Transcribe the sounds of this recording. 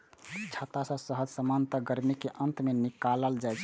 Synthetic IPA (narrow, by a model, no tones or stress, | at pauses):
t͡ʃʰat̪asə̃səɦəd͡ʒsəmant̪əɡəɾmikeʔənt̪menikaləld͡ʒajt͡ʃʰ